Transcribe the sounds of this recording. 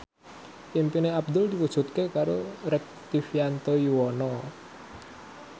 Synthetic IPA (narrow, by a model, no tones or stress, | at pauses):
pimpineab̚d̪ʊld̪iwud̥ʒ̥ṳt̪̚kekaɾoɾɛk̚t̪ifjant̪ojuwɔnɔ